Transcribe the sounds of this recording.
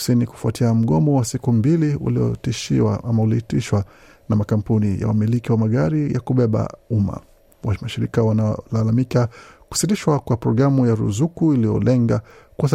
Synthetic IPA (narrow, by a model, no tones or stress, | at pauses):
siniku̥fuatʰiam̩ɠɔmɔwasikumbiliṵliɔ̰tiʃia̰ʔamauliitiʃwa | namakam̩punija̰wa̰milikiwamaɠaɾijakuɓɛɓa̰uma̰ | wamaʃiɾikawanalalamikaku̥sitiʃwakwapɾɔɡɾamujaɾṵzukuilijɔ̰lɛŋɡa | kuas